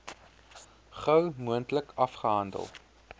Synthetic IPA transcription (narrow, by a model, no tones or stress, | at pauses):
χœwmuəntləkʰɐfχəɦɐndə̰lˠ